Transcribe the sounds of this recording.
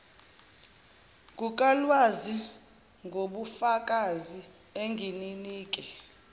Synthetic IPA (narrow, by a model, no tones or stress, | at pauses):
k̬ʼuk̬ʼalwazi | ŋɡʱoɓufakʼazi | eŋɡʱininiːk̬ʼɛ